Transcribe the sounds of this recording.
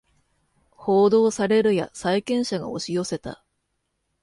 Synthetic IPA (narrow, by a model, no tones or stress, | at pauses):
ho̞ːd̪o̞ːsaɾe̞ɾɯ̟ja̰saikẽ̞ɰ̃ɕaɡa̰o̞ɕijo̞se̞t̪a̰